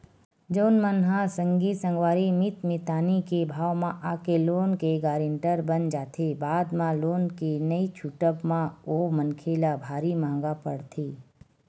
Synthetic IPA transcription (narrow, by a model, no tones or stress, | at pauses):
d͡ʒoːnmənɦãsə̃ŋɡisə̃ŋɡʋaːɾimɪt̪mɪt̪aːnikebʱaːʋmãʔaːkeloːnkeɡaːɾẽɳʈəɾbənd͡ʒaːt̪ʰebaːd̪mãloːnkenəit͡ʃʰuʈəbmãomənkʰelabʱaːɾimãːŋ̆ɡapəɽt̪ʰeː